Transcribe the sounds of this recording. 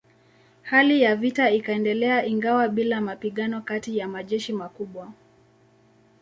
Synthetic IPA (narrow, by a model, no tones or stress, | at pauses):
halijavitaikaɛndɛlɛaʔiŋɡawaɓilamapiɠanɔkatijamaʄɛʃimakuɓwa